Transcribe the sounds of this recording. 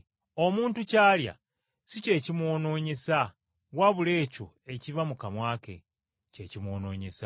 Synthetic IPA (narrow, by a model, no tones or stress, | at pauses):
o̞muːntucaːlja̰ | sice̞ːcimwo̞no̞ːɲesa | waβule̞ːco̞̰ | e̞civamukamwaːke̞̰ | ce̞ːcimwo̞ːno̞̰ːɲesa